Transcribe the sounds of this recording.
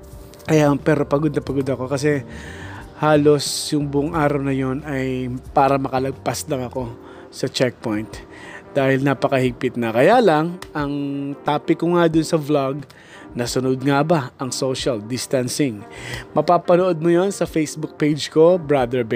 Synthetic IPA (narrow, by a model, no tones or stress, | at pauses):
kɐjapɛːɾo̞pɐɡod̪nɐpɐɡod̪ɐko̞kɐs̬ɛ | haːlo̞sjʊŋbʊʔʊŋʔaːɾɐwnɐjo̞nɐjpaːɾɐmɐkɐlɐɡ̚paslɐŋɐko̞ | sɐt͡ʃɛk̚pojnt̪ | d̪̥aːhɪlnapɐkɐhɪɡ̚pɪt̪̚nɐkɐjalɐŋʔɐŋt̪aːpɪkʊŋad̪ʊnsɐvlaɡ | nɐsʊnʊd̪̚ŋabaʔɐŋsoʃɐld̪ɪst̪ɐnsɪŋmɐpaːpɐnoʔo̞d̪̚mojo̞nsɐfejsbʊk̚pejd͡ʒko̞bɹad̪ɛɹb